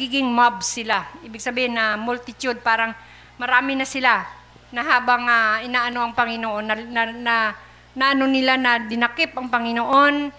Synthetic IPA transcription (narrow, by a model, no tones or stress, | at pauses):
ɡiːɡɪŋmabsɪlaʔiːbɪɡ̚sɐbiːhɪnːɐmʊlt̪ɪt͡ʃʊd̪̚paːɾaŋ | mɐɾaːmɪnɐsɪla | nɐɦaːbaŋaʔɪnaʔanoʔɐŋpɐŋɪnoʔonːɐnna | naʔnonɪlanɐd̪ɪnakɪp̚ʔɐŋpɐŋɪnoʔon